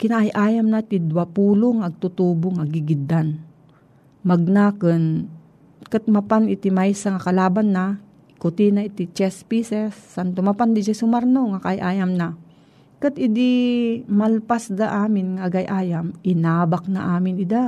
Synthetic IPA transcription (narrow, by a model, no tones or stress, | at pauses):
kɪnaʔajʔaːjamnat̪ɪd̪wapuːloŋɐɡ̚t̪ut̪uːboŋaɡiɡɪd̪an | mɐɡ̚naːkən | kat̪̚mapanɪt̪ɪmajsaŋakɐlaːbanːa | kʊt̪inaɪt̪it͡ʃɛspisɛsːant̪omapand̪ɪd͡ʒasʊmaɾnoŋakaajʔaːjamna | kɨt̪ɪd̪imalpasd̪aʔaːmɪnŋaɡajʔaːjamʔɪnaːbak̚na̰ʔaːmɪnɪd̪a